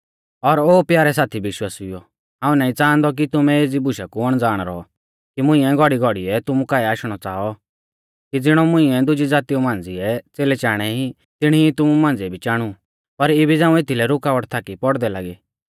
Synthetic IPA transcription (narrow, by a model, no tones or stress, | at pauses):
ɔɾoːpjaːɾɛsaːt̪ʰibɪʃwaːsijɔ | ɦãːũnaːĩt͡saːnd̪ɔk̬it̪ʊmɛ̃eːd͡zibʊʃakuɔɽ̃d͡zaːɽ̃ɾɔɔ | kimʊ̃ĩɛ̃ɡʱɔɽiɡʱɔɽiɛt̪ʊmũkaːɛaːʃɽ̃ɔt͡saːɔ | kid͡zɪɽ̃ɔmʊ̃ĩɛ̃d̪ʊd͡ʒid͡zaːt̪iumãːn̆d͡ziɛt͡seːlɛt͡ʃaːɽ̃ɛi | t̪ɪɽ̃iit̪ʊmumãːnd͡ziɛbʱit͡ʃaːɽ̃u | pɐɾebʱid͡zãːũet̪ʰilɛɾʊkaːʋəʈt̪ʰaːkipɔɽd̪ɛlaːɡeː